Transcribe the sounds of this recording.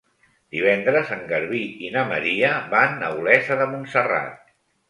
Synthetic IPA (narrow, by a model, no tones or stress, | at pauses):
d̪iβ̞ɛnd̪ɾəzəŋɡəɾβiinəmə̰ɾiəβanːə̰wlɛzəðəmunsəra̰t̪̚